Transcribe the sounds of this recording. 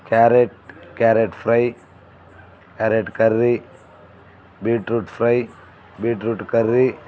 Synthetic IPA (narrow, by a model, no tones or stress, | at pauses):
kaːɾeʈ̚kaːɾeʈfʰɾɐj | kaːɾeʈkɐɾɾi | biːʈɾuʈfʰɾɐj | biːʈɾuʈkɐɾɾi